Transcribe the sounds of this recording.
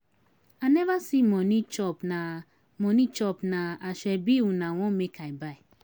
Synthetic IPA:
anɛvasimɔnit͡ʃɔpna | mɔnit͡ʃɔpnaaʃɛbiwunawɔ̃mekʰaibai

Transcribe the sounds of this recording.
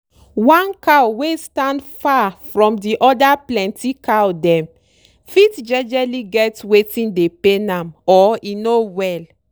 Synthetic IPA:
wãnkawwestãndfafɹɔ̃mdiʔɔdaplɛ̃ntikawdɛ̃m | fitd͡ʒɛd͡ʒɛliɡɛtwetĩndepenãmɔinowɛl

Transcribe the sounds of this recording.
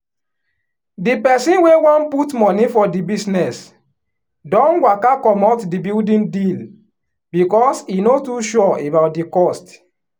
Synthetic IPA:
dipɛsĩnwewɔ̃nputmɔnifɔdibisnɛs | dɔ̃nwakakɔmɔtdibildĩndil | bikɔsinotuʃuɔʔebaʊt̚dikɔst

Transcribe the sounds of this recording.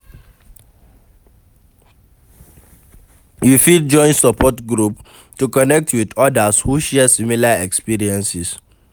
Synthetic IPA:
jufidd͡ʒɔ̃ɪ̃nsɔpʰɔtɡɹup | tukɔnɛk̚tʰwidɔdashuʃɛɛsimilaɛkspiɹiɛ̃nsis

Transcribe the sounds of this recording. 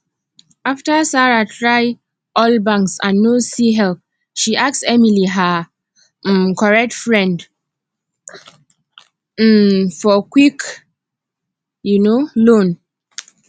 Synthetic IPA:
aftəsaɹatʰɹaj | ʔɔlbãŋksãnːosiɦɛlp | ʃiʔak̚tsɛmiliɦə | kʰɔɹɛk̚tfɹɛ̃nd | fɔkwik | junolõn

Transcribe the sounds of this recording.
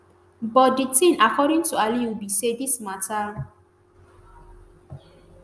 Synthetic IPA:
bɔt̚ditʰĩnʔakʰɔɾĩŋtualiwubisedismatʰa

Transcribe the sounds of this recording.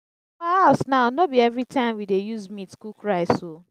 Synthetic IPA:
asnaʊnobiɛvɾitʰãɪ̃mwidejuzmĩtskukɹaɪso

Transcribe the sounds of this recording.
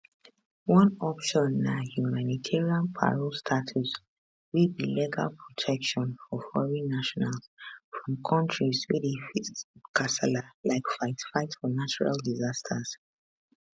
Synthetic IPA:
wɔ̃nɔpʃɔ̃nːahjumanitʰɛɹiãnpʰa̰ɹɔlstʰatʰus | widbiliɡa̰lpʰɹɔtʰɛkʃɔ̃nɔfhɔɹĩnaʃɔnalsfɹɔ̃mkʰɔ̃ntɹizwidifitkasalalaɪkfaɪtfaɪtsfɔnat͡ʃuɹa̰ldizastʰas

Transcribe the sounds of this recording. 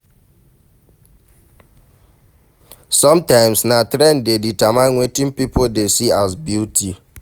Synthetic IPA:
sɔmtãɪ̃msnatɾɛndeditamaŋʷetĩm̩pipodesias̬bjuti

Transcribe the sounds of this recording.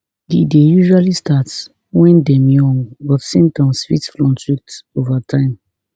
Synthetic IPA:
didejuʒualistʰats | wɛ̃ndɛ̃mjɔ̃ŋwɔfsĩntɔ̃nsfitflɔ̃ntitovatʰãɪ̃m

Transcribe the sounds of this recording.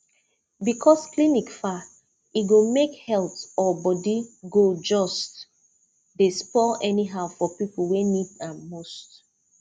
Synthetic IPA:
bikʰɔsklinikfa | iɡomekhɛltɔbɔdiɡod͡ʒɔst | despɔʔɛniɦaʊfɔpipl̩wenidãmost

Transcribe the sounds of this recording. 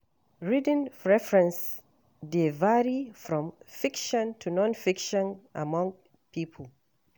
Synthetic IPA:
ɹid̃nɹɛfɹɛ̃ns | devaɹifɹɔ̃mfikʃɔ̃ntʰunɔ̃nfikʃɔ̃nʔamɔ̃ŋ | pʰipʰəl̩

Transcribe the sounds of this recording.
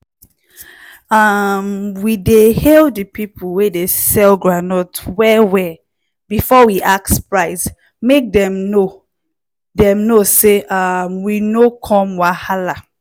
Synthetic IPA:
amwidehɛldɨpipʰulwedesɛlɡɹanɔtwɛwɛ | bifɔwiʔak̚spɹaɪs | mek̚dɛ̃mno | dɛ̃mnoseʔamwinokʰɔ̃mwahala

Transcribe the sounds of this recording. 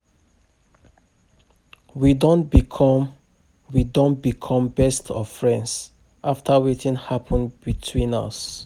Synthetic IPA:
widõnbikʰɔm | widõnbikʰɔ̃mbɛstʰɔv̥fɹɛ̃nds | ʔaftʰəwetĩnhapʰə̃nbitʰwĩnʌ̰s

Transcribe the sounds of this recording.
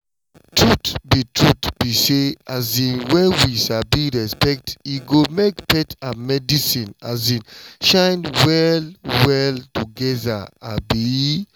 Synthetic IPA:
tɹutbitʰɹutb̥iseazĩnwɛ̃nwisabiɹɛspɛk̚tiɡomekpɛtãmɛdisĩna̰zĩnʃãjnwɛlwɛltuɡɛðaabi

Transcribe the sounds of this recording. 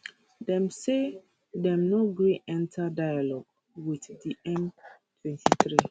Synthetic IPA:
dɛ̃mse | dɛ̃mnoɡeʔɛ̃ntʰadajalɔɡ | witdiʔɛ̃m | tʰwɛ̃ntʰiθɾi

